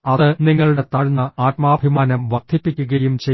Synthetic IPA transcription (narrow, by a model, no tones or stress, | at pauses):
ɐðɨniŋːɐɭuɽe̞t̪ɐɻunːɐaːt̚maːbʱimaːnɐmʋɐrd̪̥ʰʱipːikʲːuɣɐjumt͡ɕe